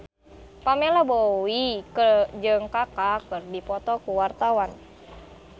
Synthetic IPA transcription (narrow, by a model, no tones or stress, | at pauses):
pamelaboikəd͡ʒɨŋkakakɨrdipɔt̪ɔkuwart̪awan